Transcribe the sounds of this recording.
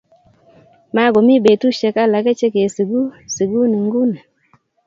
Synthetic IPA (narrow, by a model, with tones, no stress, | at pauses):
ma˦ɡɔ˨mi˦be˨tu˦ʃɛ˨ka˦la˨ɡa˦t͡ʃe˦ke˨si˨ɡu˦se˨ɡu˦ni˨ŋɡu˦ne˨